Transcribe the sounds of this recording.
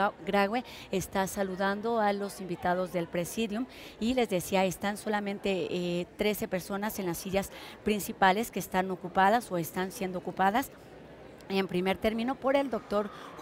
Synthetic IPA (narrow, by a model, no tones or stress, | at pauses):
ɡɾaɣwe | est̪asaluðand̪o̞alo̞simbit̪aðo̞zðe̞lpɾe̞siðjum | ile̞zðe̞siaest̪anso̞lamẽnt̪e̞t̪ɾe̞se̞pe̞ɾso̞nase̞nlasiʎaspɾinsipale̞ske̞ːst̪ano̞kupað̞aso̞e̞st̪ansje̞nd̪oːkupaðas | empɾime̞ɾt̪e̞ɾmĩno̞po̞ɾe̞ld̪o̞k̚t̪o̞ɾ